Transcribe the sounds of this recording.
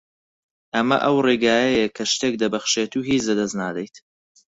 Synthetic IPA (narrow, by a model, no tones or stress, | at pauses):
ʔɐmɐ̰ʔɐwreɡaːjɐjɐkʰɐʃt̪eːk̚d̪ɐbɐχʃeːt̪uːɦiːt͡ʃd̪ɐd̪ɐznaːd̪ɛjt̪